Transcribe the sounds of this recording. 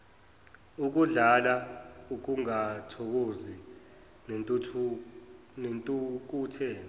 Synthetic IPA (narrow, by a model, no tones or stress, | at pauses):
uk̬uɮalauk̬uŋatʰɔk̬ozi | nʼʰ | nentʼuk̬uːtʰɛː